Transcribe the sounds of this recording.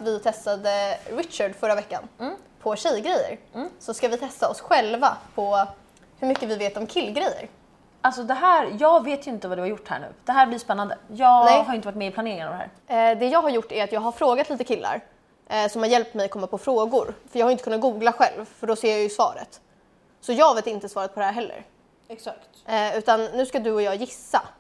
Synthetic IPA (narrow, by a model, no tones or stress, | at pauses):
vɪt̪ʰɛst̪ad̪əɾɪt̪ɕaɖfœɾːavɛkːa̰npʰɔɕɛjɡɾɛjːə̰ɾsɔskavɪt̪ʰɛst̪aɔsɧɛlvapʰɔ | hɵmʏkːəvɪveːt̪ɔmkʰɪlːɡɾɛjːə̰ɾ | alsɔd̪ɛɦæːɾjɑːɡveːt̪ʰjɵɪnt̪əvad̪ɵhaɾjʊʈːhæ̰ɳʉ̟̰ːd̪̥ɛɦæːɾblɪspɛnːand̪əjɑːnɛɦaɾjʏɪnt̪əvaʈmɛɪpʰlaneːɾɪŋana̰vd̪hæ̰ːɾ | d̪ɛjɑːɡɦaɾjʊʈːæɾat̪jɑːɡɦaɾfɾoːɡat̪liːt̪əkʰɪlːʔa̰ɾ | sɔmhaɾjɛlp̚t̪mɛjat̚kɔmːapʰɔfɾoːɡʊɾfœjɑɡhaɾʏnəkɵnːat̪̚ɡuːɡlaɧɛ̰lvfœɖɔseːɾjajɵsvɑ̰ːɾə̰t̪ | sɔjɑːɡveːt̪ɪnt̪əsvɑːɾat̪̚pɔd̪ɛhæːɾɦɛlːə̰ɾ | ɛksakt̪ʉ̟ːt̪anːʉ̟ːskad̪ɵɔjɑːjɪsːa̰